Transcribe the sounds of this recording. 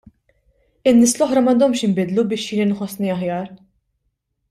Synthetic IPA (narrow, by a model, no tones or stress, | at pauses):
ɪnːɪːslɔħɾɐmɐnd̪ɔmʃɪmbɪd̪lubɪːʃjiːninħɔsniɐħjɐːɾ